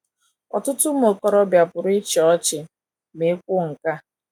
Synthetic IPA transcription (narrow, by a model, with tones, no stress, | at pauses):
ɔ̰˨tʊ˦tʊ˦m̩˦o˨kɔ˦ɾɔ˦bja˨pʊ˨ɾʊ˦ɪ˦t͡ʃɔ˦t͡ʃɪ˨ | me˨˦kʷʊ˦ŋ̩˨ka˦